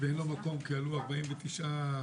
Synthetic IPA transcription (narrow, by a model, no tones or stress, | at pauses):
veenlomako̞mkealuaʁbaimvet̪iʃʔa